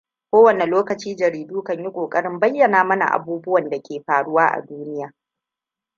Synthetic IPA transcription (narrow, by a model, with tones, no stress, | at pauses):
kʷoː˦wɐ˨ne˨loː˦kɐ˨t͡ʃiː˦d͡ʒɐ˨ɾiː˨duː˦kɐ˦ɲji˦kʷʼoː˨kʼɐ˦ɽɪ˦mbɐ˦jːɐ˨naː˨mɐ˦na̰˨ʔa̰˨buː˦bʊ˦wɐ˨nda˨kʲeː˨ɸaː˨ɽʊ˦waː˦ʔa̰˨duː˦nɪ˦jaː˨